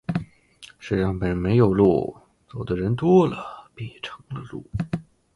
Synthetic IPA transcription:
ʂɻ̩˥˩ɻɑ˥˩ŋpə˨˩nme˧˥ɪjo˨˩ʊlṵ˥˩ | t͡so˨˩ʊd̪ə˦ɻə˧˥nt̪wɔ˥lə˨pi˥˩ʈ͡ʂʰɤ̥˧˥ŋlə˧lṵ˥˩

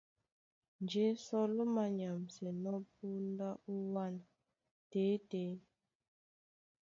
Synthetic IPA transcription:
nd͡ʒe˦sɔ˦lɔ˦ma˨ɲa˨m˨se˨nɔ˦p̚u˦nda˦ʔu˦wa˦n˨ | teː˨˦te˨˦

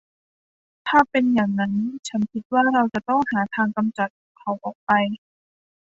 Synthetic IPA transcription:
t̪ʰaː˥˩pe˧njaː˨˩ŋna˦˥nt͡ɕʰa˦˥nkʰi˦˥t̪̚waː˥˩ɾa˧wt͡ɕa˨˩t̪ɔ˥˩ŋhaː˩˦t̪ʰaː˧ŋka˧mt͡ɕa˨˩t̪̚kʰa˨˩˦wʔɔː˨˩k̚pa˧j

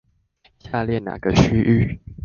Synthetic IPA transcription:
ɕja˥˧ljɛ˥˩na̰˨˩ɡ̥ə˦ɕy˥ʔy˥˩

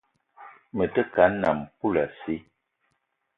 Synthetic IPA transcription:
mə˨tə˦ka˨˦n˦nːa˨m˨ku˦la˨si˦

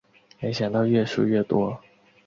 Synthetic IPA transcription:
me˧˥ɪɕjɑ˨˩ŋt̪ɑ˥˧ʊɥɛ˥˩ʂu˥˧ɥɛ˥˩t̪wɔ˥

